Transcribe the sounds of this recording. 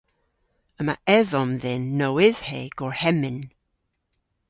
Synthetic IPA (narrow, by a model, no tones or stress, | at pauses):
əmaʔɛðɔnðɪnːowɪz̥hɛɡ̥ɔɹhɛmɪn